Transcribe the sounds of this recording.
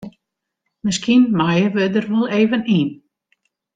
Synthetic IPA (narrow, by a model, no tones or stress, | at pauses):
mɪskinmajəʋɪdərʋulˠeːvəniːn